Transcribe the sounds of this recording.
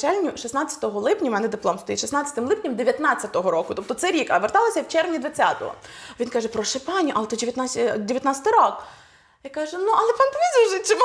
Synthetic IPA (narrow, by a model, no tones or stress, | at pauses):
t͡ʃɛlʲnʲʊʃisnɑt͡sʲɐt̪ɔɦɔlˠɪpnʲɐmɛnɛd̪ɪplˠɔmst̪ɔjiʃisnɑt͡sʲɐ̥t̪ɪmlˠɪpnʲɐmd̪eʋʲjɐt̪nɑt͡sʲːɐt̪ɔɦɔɾɔkʊt̪ɔp̚t̪ɔt̪sɛɾʲikɐʋert̪ɑlˠɐsʲɐwt͡ʃɛrʋnʲid̪ʋɐt͡sʲa̰t̪ɔ̰ɦɔ̰ʋʲinkɑʒɛpɾɔʃepɑnʲiʔɐlˠt̪ɔdʲeʋjɐt̪adʲeʋʲjɐt̪nat͡sʲɐt̪ɪɾɔk | jakɑʒɛnuʔɐlˠɛpɑnd̪ʋʲizʲuʒɪt͡ʃɪm